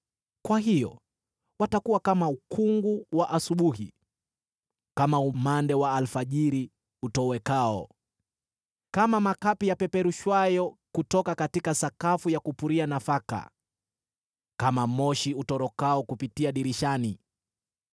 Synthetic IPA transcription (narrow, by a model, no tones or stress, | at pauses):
kwaɦijɔ̰ | watakuwakamaukʰuŋɡuwaʔasuɓuɦḭ | kamaumandɛwaːlfaʄiɾi | utɔwɛkaɔ̰ | kamamakapijapɛpɛɾuʃwajɔkutɔkakatikasakafujakupuɾianafaka̰ | kamamɔʃiutɔɾɔkaɔkupitiaɗiɾiʃani